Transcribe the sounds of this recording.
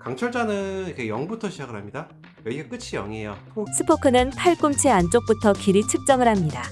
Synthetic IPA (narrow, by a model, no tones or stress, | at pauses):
kaŋt͡ɕʰʌɭd͡ʑ͈anɯikʰejʌŋbutʰʌɕʰid͡ʑaɡɯɭɦhamɲida | jʌiɡek͈ɯt͡ɕʰijʌ̰ŋejo̰sʰɯ̥pʰokʰɯnɯnpʰaɭk͈umt͡ɕʰeant͡ɕ͈ok̚p͈utʰʌkiɾit͡ɕʰɯk̚t͡ɕ͈ʌŋɯɭhamɲida